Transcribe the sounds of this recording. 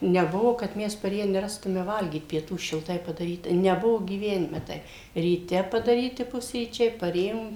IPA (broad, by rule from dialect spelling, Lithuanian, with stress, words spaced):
nʲɛˈbʊʋoː kɐt ˈmʲɛs pɐˈrʲeːjæː nʲɛˈrɑːstʊmʲɛ ˈʋɐlʲɡʲiːt pʲiɛˈtuː ʃʲɪlˠˈtɐɪ pɐdɐˈrʲiːtɐ nʲɛˈbʊʋoː ɡʲiːˈʋʲæːnʲɪmʲɛ ˈtɐɪp rʲiːˈtʲɛ pɐdɐˈrʲiːtʲɪ ˈpʊsʲrʲiːt͡ʃʲɛɪ pɐˈrʲeːjoːm